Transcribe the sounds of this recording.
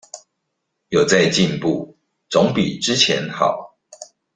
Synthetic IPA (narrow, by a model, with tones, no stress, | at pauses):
jo˨˩ʊt͡sa˥˧ɪt͡ɕi˥˧npu˥˨ | t͡so˧˦ŋpḭ˨˩ʈ͡ʂɻ̩˦t͡ɕʰjɛ̰˧˦nxɑ̰˨˩˦ʊ